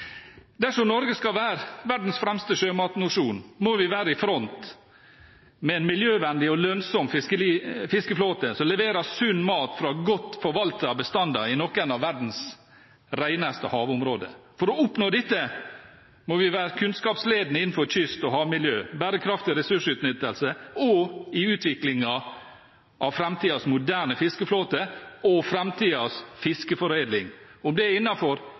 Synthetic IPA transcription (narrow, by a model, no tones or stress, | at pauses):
d̪æʂɔmnɔɾɡəskɑʋæːɾʋæɖn̩sfɾɛmst̪əʂøːmɑːt̪nʊʂuːnmɔʋɪʋæːɾəɪfɾɔnt̪ | mɛɛnmɪljøːʋɛnd̪ɪɔlœnsɔmfɪskəlifɪskəfloːt̪əsɔlɛʋeːɾəsʉnːmɑːt̪fɾɑɡɔt̪ːfɔɾʋɑlt̪əɑbəst̪ɑnd̪ɑɾɪnɔkːɛnɑʋːæɖn̩s | ɾæɪnəst̪əhɑːʋʊmɾoːd̪ə̰fɔɾɔʊpnoːd̪ɪt̪ːə | mɔʋɪʋæːɾkʰʉnskɑːpsleːd̪nəɪnːn̩fɔɾc͡çʏst̪ɔɦɑːʋmɪljøːbæɾəkʰɾɑft̪ɪɾɛsʉʂʉːt̪nʏt̪ːəlsəɔɪʉːt̪ʋɪklɪŋɑ | ʔɑʋfɾɛmt̪ʰiːɑsmʊd̪æːɳəfɪskəfloːt̪əɔfɾɛmt̪ʰiːɑsfɪskəfɔɾeːd̪lɪŋʊmd̪ɛɪnːɑfɔɾ